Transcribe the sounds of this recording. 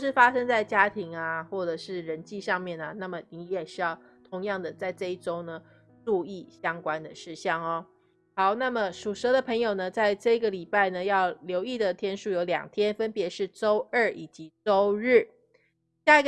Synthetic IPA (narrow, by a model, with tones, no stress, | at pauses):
ʂɻ̩˥˩fa˥ʂə˥ŋt͡sa˥˩ɪt͡ɕja˥t̪ʰi˧˥ŋa˧xwɔ˥˩ʈ͡ʂɤ˨˩ʂɻ̩˥˩ɻə˧˦˥nt͡ɕi˥˧ʂɑ˥˧ŋmjɛ˥˩nɐ˩na˥˩mə˩ni˧˥˦jɛ˨˩ɕy˥jɑ˥˩ʊ | t̪ʰʊ˧˥ŋjɑ˥˩ŋd̪ə˩t͡sa˥˧ɪʈ͡ʂɤ˥˧i˥˩ʈ͡ʂo˥ʊnə˨ | ʈ͡ʂu˥˧i˥˩ɕjɑ˥ŋkwa˥˦nd̪ə˨ʂɻ̩˥˧ɕjɑ˥˩ŋɔ˦˩ | xɑ˨˧˦ʊna˥˩mə˨˩ʂu˨˩ʂɤ˧˥d̪ə˨pʰə˧˥ŋjo˨˩ʊnə˦t͡sa˥˧ɪʈ͡ʂɤ˥˩˧i˧˥ɡə˨li˨˩pa˥˩ɪnə˩jɑ˥˩ʊljo˧˥ʊi˥˩d̪ə˨t̪ʰjɛ˥nʂu˥˩jo˧˥ʊljɑ̰˨˩ŋt̪ʰjɛ˥nfə˥npjɛ˧˥ʂɻ̩˥˩ʈ͡ʂo˥ʊə˞˥˩ʔi˨˩t͡ɕi˧˦˥ʈ͡ʂo˥ʊɻ̩˥˩ | ɕja˥˩i˧˥ɡ